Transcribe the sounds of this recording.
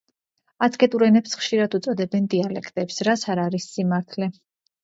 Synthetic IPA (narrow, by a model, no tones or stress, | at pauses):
at̪sʰkʰʼɛt̪ʼuɾɛnɛpsχʃiɾad̪ut̪sʼɔd̪ɛbɛnd̪ialɛkʰt̪ʼɛpsɾat̪sʰaɾaɾisːimaɾt̪ʰlɛ